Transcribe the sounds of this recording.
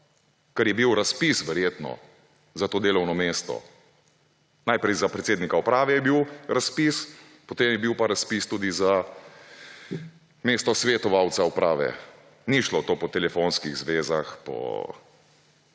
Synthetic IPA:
kɐɾjɛbiwɾaspisʋɛɾjeːt̪nɔ̰ | zat̪oːd̪eːlɔwnɔmeːst̪ɔ̰ | najpɾɛjzapɾɛt̪seːd̪nikaupɾaːʋɛjɛbiwɾaspis | pɔt̪eːmjɛbiwpaɾaspist̪uːd̪iza | meːst̪ɔsʋet̪ɔʋawt̪saupɾʔaːʋɛ̰ | niʃlot̪oːpɔt̪ɛlɛfonskiɣzʋeːzaxpɔ̰

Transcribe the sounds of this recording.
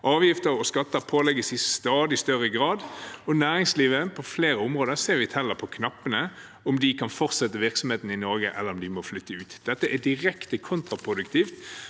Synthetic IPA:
ʔɑːʋjɪft̪əɾɔskɑt̪ːəpʰoːlɛɡəsɪst̪ɑːd̪ɪst̪œʁəɡɾɑːd̪ɔnæːʁɪŋsliːʋəpʰɔfleːɾəʊmʁoːd̪əɾseːɾʋɪt̪ʰɛlːəpʰɔkʰnɑpːənə | ɔmd̪ɪkʰɑnfɔʁt̪sɛt̪ːəʋɪʁksɔmheːt̪n̩ɪnɔɾɡəʔɛləɾɔmd̪ɪmɔflʏt̪ːəʉːt̪d̪̥ɛt̪ːəʔæd̪ɪʁɛkt̪əkʰʊnt̪ɾɑpʰʁʊd̪ʉkt̪ʰiːft̪

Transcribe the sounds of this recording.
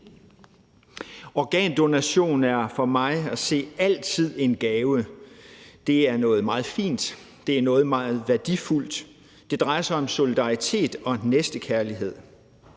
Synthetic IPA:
ɒɡ̥ɛ̰ːnd̥o̝næɕo̝̰ːnæɐfɒ̽mɑ̈ɪæse̝̰ːæl̰t͡sʰið̞̰ˠe̝nɡ̥ɛːʊə | d̥e̝æɐnɔ̽ːð̩ˠmɑ̈ːð̞̩ˠfḭːnd̥ | d̥e̝æɐnɔ̽ːð̞̩ˠmɑ̈ːð̩ˠʋæɐd̥iful̰d̥ | d̥e̝d̥ʁɑ̈ɪɐsɑ̈ɪɒ̽mso̝lid̥ɑ̈it͡sʰe̝̰ːd̥ɒ̽nesd̥əkʰæɐliɦe̝ð̞̰ˠ

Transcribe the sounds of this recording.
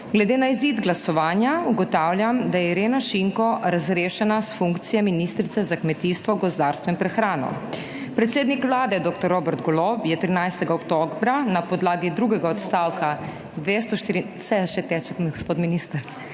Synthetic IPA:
ɡlɛd̪eːnaizid̪ɡlasɔʋaːnjauɡɔt̪aːwlʲjamd̪ajɛɾeːnaʃiŋkɔɾazɾeːʃɛnasfuŋkt̪sijɛminist̪ɾit̪sɛzakmɛt̪iːst̪ʋɔɡɔzd̪aːɾst̪ʋɛimpɾɛxɾaːnɔ̰ | pɾɛt̪seːd̪nikʋlaːd̪ɛd̪oːk̚t̪ɔɾːoːbɛɾt̪ɡɔlopjɛt̪ɾinajst̪ɛɡaɔpt̪oɡbɾanapɔd̪laːɡid̪ɾuːɡɛɡaɔt̪st̪aːwkʰa | d̪ʋest̪ɔʃt̪iɾi | sɛʃɛt̪ɛt͡ʃɛkɡospoːt̪miniːst̪əɾ

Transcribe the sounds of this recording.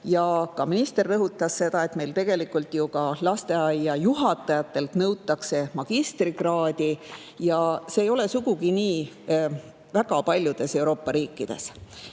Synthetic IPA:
jɑkɑminist̪e̞rːɤɦut̪ːˑɑsːe̞d̪ɑe̞t̪me̞jlt̪e̞ɡ̥e̞likːˑult̪ˑjukɑlɑst̪e̞ɑjːɑjuɦɑt̪ːˑɑjɑt̪ˑːe̞lt̪nɤwt̪ːˑɑkse̞mɑɡ̥ist̪riɡrɑːd̪̥ʲi | jɑse̞ːjo̞le̞suɡ̥uɡ̥iniː | væɡɑpɑlʲjud̪̥e̞se̞uɾo̞ːpːɑɾiːkːˑid̪̥e̞̰s

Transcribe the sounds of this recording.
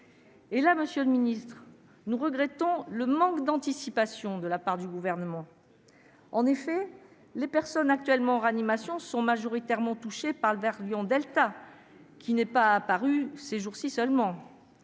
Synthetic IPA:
elaməsjøləminist̪χ | nuʁəɡʁɛt̪ɔ̃ləmɑ̃kd̪ɑ̃t̪isipasjɔ̃d̪əlapaʁd̪yɡuvɛʁnəmɑ̃ | ɑ̃nefɛ | lepɛʁsɔnak̚t̪ɥɛlmɑ̃ʁanimasjɔ̃sɔ̃maʒɔʁit̪ɛʁmɑ̃t̪uʃepaʁləvɛʁljɔ̃d̪ɛlt̪a | kʲʰinɛpaːpaʁyseʒuʁsisœlmɑ̃

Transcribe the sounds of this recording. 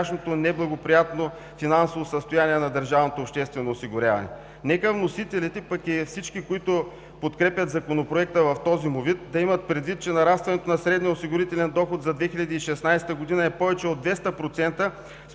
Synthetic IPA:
aʃnot̪onɛblˠɐɡopɾijat̪no | finansovosəst̪ojaniɛnɐd̪əɾʒavnot̪oːpʃt̪ɛst̪vɛnoːsiɡʊɾʲa̰vɐ̰nɛ̰ | nɛkəvnosit̪ɛlit̪ɛpəkifsit͡ʃkikoit̪ʊ | pot̪kɾɛpʲjɐt̪zɐkonopɾoɛk̚t̪əvɐft̪ɔzimovit̪̚d̪ɐimɐt̪̚pɾɛd̪vit̪̚t͡ʃɛnɐɾafst̪vɐnɛt̪onɐsɾɛd̪niosiɡʊɾit̪ɛlɛnd̪ɔxot̪zɐd̪vɛxilʲɐd̪iːʃɛsnajsɛ̥t̪əɡod̪inɐɛpɔvɛt͡ʃɛod̪vɛst̪əpɾot̪sɛnt̪ə | s

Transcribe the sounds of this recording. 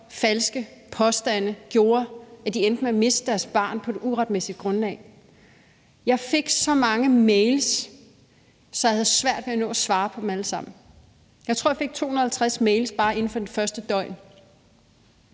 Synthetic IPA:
fælsɡ̥əpʰɒ̽sd̥æn̰əɡ̥jo̝ːɐæd̥iend̥n̩meme̝sd̥əd̥æɐsb̥ɑ̈ːnpʰɒ̽d̥̝uʁɑ̈d̥mesid̥̚ɡ̥ʁɔ̽nlɛ̰ː | jɑ̈ɪfe̝ɡ̥sɒ̽mɑ̈ŋəmeɪls | ɒjɑ̈hæðˠsʋæɐ̰d̥ʋeænɔ̰̽ːæsʋɑ̈ːpʰɒ̽d̥em̩æləsɑ̈m̰n̩ | jɑ̈ɪt͡sʰʁo̰jɑfe̝ɡ̥̚t͡sʰo̝̰ːun̩ɐhælt͡sʰʁasmeɪlsb̥ɑ̈ːe̝n̩fɒ̽d̥enfɶɐsd̥əd̥ɒ̽ɪ̰n

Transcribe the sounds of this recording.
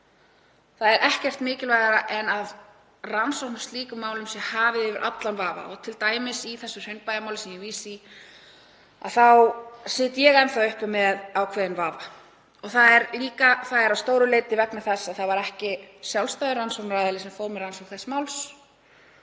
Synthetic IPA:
θaðɛɾʔɛhcɛr̥t̪mɪːcɪlvaːjðaɾaʔɛnað | ransɔwhnast̪liːkʏmaːwlʏmsjɛhaːvɪɪːvɪɾʔa̰t̪lanvaːva̰ɔ̰ɣt̪ʰɪlt̪aːjmɪsiθɛsːʏr̥œɥnpajðamaːwlɪsɛmjɛviːsi | a̰ðθawsɪːt̪jɛɣɛnθaʏhpʏmɛðawkʰvɛːðɪnvaːva | ɔɣθaðɛɾliːkaθaðɛɾawst̪oːwɾʏleːjt̪ɪvɛknɪθɛsːaðθavaɾɛhcɪsjawlst̪ajðɪɾransɔwknɾajðalɪsɛmfoːwɾmɪɾansɔkθɛsːmawls

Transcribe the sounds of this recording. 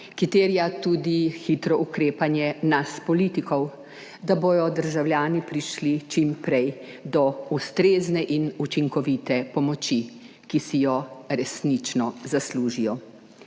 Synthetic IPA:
kɾit̪eːɾijat̪ud̪ixit̪ɾɔʔukɾeːpanjɛnaspɔlit̪ikɔw | d̪aboːjɔd̪əɾʒawlʲjaːnipɾiʃlit͡ʃimpɾɛj | d̪ɔust̪ɾeːznɛʔinut͡ʃiŋkɔʋit̪ɛpɔmɔt͡ʃi | kisijɔɾɛsnit͡ʃnɔzasluːʒijɔ

